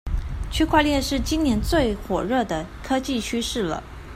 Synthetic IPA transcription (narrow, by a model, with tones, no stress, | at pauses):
t͡ɕʰy˥kʰwa˥˧ljɛ˥˧nʂɻ̩˥˩t͡ɕi˥ŋnjɛ˧˥nt͡swe˥˩ɪxwɔ˨˩ɻɤ˥˩d̪ə˩kʰɤ˥t͡ɕi˥˩t͡ɕʰy˥ʂɻ̩˥˩lə̰˩